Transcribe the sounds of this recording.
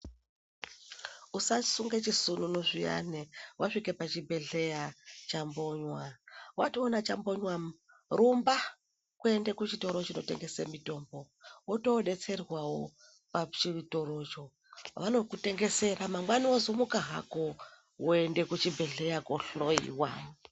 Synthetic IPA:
usasuŋɡet͡ʃisununoʐija̰newʔaʂikepat͡ʃibʱe̞ɮe̞jat͡ʃambo̞ɲwawationat͡ʃambo̞ɲwa | rumba | kue̞ndekut͡ʃito̞ɾot͡ʃino̞te̞̰ŋɡe̞semito̞ːmbo̞ | wotoɗe̞t͡se̞rwawo | pat͡ʃito̞ɾo̞t͡ʃo̞ | ʋano̞kute̞ŋɡe̞se̞ɾamamwaniozomukaɦa̰ko | woende̞kut͡ʃibʱe̞ɮe̞jakoɬoḭwa̰

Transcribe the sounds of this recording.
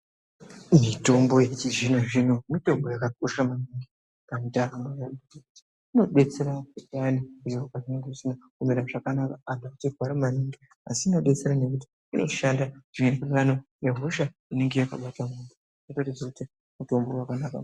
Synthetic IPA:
mito̞mbo̞jet͡ʃid͡ʒinaʐinomito̞mbo̞jakakoʃamaniŋɡi | kamitaramajautekuti̥ | ino̞ɗe̞t͡se̞ɾaanikutiakaʐineŋɡeʐisinakumiɾaʐakanakaːdʱakutirwaɾimaniŋɡi | a̰siino̞ɗet͡seɾane̞kuti̥ | ino̞̰ʃandaʐ̥iɲerakuiʋanojeɦoʃaine̞ŋɡe̞jaka̰ɓatamundu | jotarisakuti | muto̞mbo̞wakanaka̰

